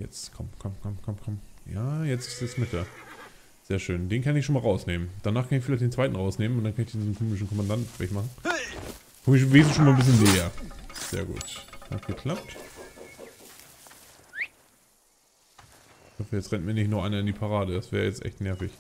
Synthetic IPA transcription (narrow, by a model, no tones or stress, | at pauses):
jɛ̰t͡skʰɔmkʰɔmkʰɔmkʰɔmkʰɔmjaːjɛt͡sɪ̥sɛsmɪtɐ | z̥eːɐʃøːndeːnkʰanɪçʃoːnmalʁaʊsneːmənd̥anaːχkʰanɪçfɪlaɪçtd̥eːnt͡sv̥aɪtn̩ʁaʊsneːmənʊntd̥ankʰanɪçd̥endiːzm̩kʰoːmɪʃn̩kʰɔmandantv̥ɛçmaχn̩ | kɔmɪveːzʃoːnmaːnbɪs̬çənːɛːɐz̥ḛːɐɡṵːtha̰tɡ̥əkʰl̥ap̚t | ɪçhɔfəjɛt͡stʁɛntmiːɐnɪçtnɔɐʔaɪnɐɪndiːpʰaʁaːɾəd̥asv̥ɛːʁəjɛt͡stʔɛ̰çtnɛɐfɪç